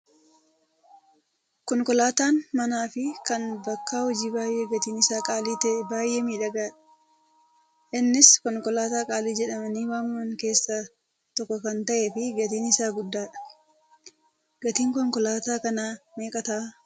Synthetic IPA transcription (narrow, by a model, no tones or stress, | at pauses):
kɔŋkɔlaːt̪aːnmɐnaːfɪkɐnbɐkːaːhɔd͡ʒiːbaːjʔeːɡɐt̪iːnɪsaːkʼaːliːt̪baːjʔeːmiːᶑɐɡaːᶑɐ̥ | ʔɪnːɪskɔŋkɔlaːt̪aːkʼaːliːd͡ʒɛᶑɐmɐniːwaːnɐŋke̞ːsːɐ | t̪ɔkːɔkɐnt̪ɐʔeːfɪɡɐt̪iːnɪsaːɡʊd̪ːaːᶑɐ̥ | ɡ̥ɐt̪iːŋkɔŋkɔlaːt̪aːkɐnaːmeːkʼɐt̪aː